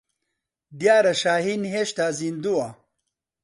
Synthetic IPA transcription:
d̪jaːɾɐɕaːɦinɦeɕt̪aːzind̪ua

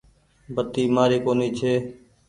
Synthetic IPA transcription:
bət̪iːmaːɾeːkoːniːt͡ʃʰeː

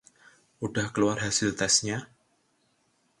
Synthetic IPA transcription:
ʔuɖahkəluarɦasɪlt̪ɛsɲa

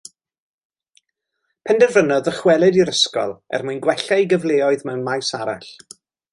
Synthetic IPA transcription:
pʰɛndɛrvənɔðəχwɛlˠɛdiɾəskɔ̰lˠɛ̰rmuɨnɡwɛɬajɡəvlˠeːɔɨðmɛwnmajsaɾa̰ɬ

